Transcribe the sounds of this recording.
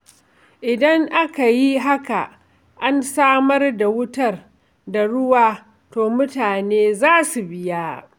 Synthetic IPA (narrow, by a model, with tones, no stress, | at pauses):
ʔɪ˨dɐ˦ŋʔa˦ka˨ji˦ɦa˦ka˨ | ʔa˦nsaː˦mɐ˦rda˨wʊ˦tɐ˦r | da˨ɽʊ˦waː˦ | toː˨mʊ˦taː˨neː˦zaː˦su˨bɪ˦jaː˦